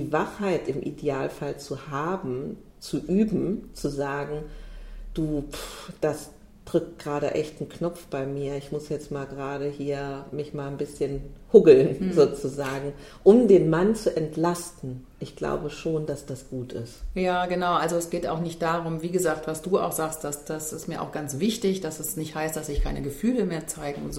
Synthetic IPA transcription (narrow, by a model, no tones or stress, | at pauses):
diːvaχhaɪtɪmʔḭdeaːlfalt͡suhaːbm̩ | t͡suʔyːbm̩t͡suzaːɡŋ̩d̥uːd̥as | d̥ʁ̥ʏk̚t̚ɡ̥ʁaːɾəʔɛçtn̩knɔp͡fb̥aɪmiːɐɪçmʊsjɛt͡stmaːlɡəʁaːɾəhiːɐmɪçmaːlnbɪsçənhʊɡl̩nzoːt͡suzaːɡŋ̩ | ʔʊmdeːnmant͡suʔɛntʰlastn̩ʔɪçɡ̥la̰ʊbəʃoːndasd̥asɡ̥uːtʰɪ̰stjaːɡənaʊʔalzoɛsɡ̥eːta̰ʊxnɪçt̚d̥aːʁʊmviːɡəzaːk̚tv̥asd̥uːa̰ʊxz̥aːkstd̥asd̥asɪstmiːɐʔaʊxɡ̥ant͡sv̥ɪçtɪçd̥asɛsnɪçthaɪst̚d̥asɪçkʰaɪnʔəɡəfyːləmeːɐt͡saɪɡŋ̩ʊnz